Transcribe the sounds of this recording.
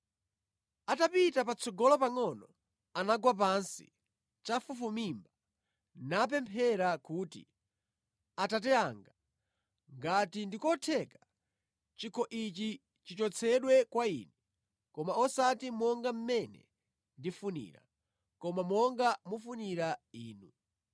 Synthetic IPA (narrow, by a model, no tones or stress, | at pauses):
atapitapat͡sʰɔɡɔlɔpaŋɔnɔ | anaɡwap̬ansḭ | t͡ʃafufumimba | nap̬ɛmpʰɛɾakuːtḭ | atatɛaŋɡa | ŋɡatindikɔtʰɛkḁ | t͡ʃikʰɔʔit͡ʃi | t͡ʃit͡ʃɔt͡sʰɛɗwɛkwaḭnɛ | kɔmaɔsatimɔŋɡam̩mɛnɛ̰ | ndifunḭɾa̰ | kɔmamɔŋɡamufuniɾaiːnu